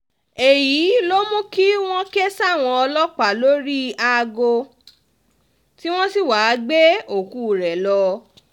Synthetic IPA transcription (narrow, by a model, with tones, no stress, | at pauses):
e˨ji˨˦lo˦mũ˦ki˦w̃ɔ̃˦ke˦sa˦˨w̃ɔ̃˧ɔ˧lɔ˦k͡pa˨lo˦ɾi˦a˧ɡo˧ | ti˦w̃ɔ̃˦si˦˨wa˨˧˦ɡ͡be˦o˨ku˨˦˨ɾɛ˨lɔ˧